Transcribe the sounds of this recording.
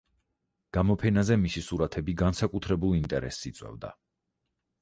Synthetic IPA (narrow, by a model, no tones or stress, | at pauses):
ɡ̥amɔpʰɛnazɛmisisuɾat̪ʰɛbiɡansakʼut̪ʰɾɛbulˠint̪ʼɛɾɛ̰sːit̪sʼwɛ̰vd̪a̰